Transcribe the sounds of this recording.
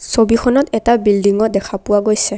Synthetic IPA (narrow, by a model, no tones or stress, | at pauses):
sobixʰɔnɔtɛtabildiŋɔdɛkʰapʊwaɡojsɛ